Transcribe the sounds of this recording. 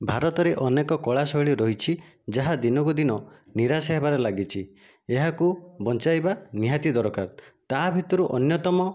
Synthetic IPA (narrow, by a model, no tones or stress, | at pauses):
bʱaɾɔt̪ɔɾeʔɔnekɔkɔɭasɔɦiɭiɾɔɦit͡ʃʰid͡ʒaɦad̪inɔkud̪inɔniɾasɔɦebaɾelaɡit͡ʃʰi | eɦakubɔnt͡ʃajbaniɦat̪id̪ɔɾɔka̰ɾt̪aɦbʱit̪ɔɾuʔɔnjɔt̪ɔmɔ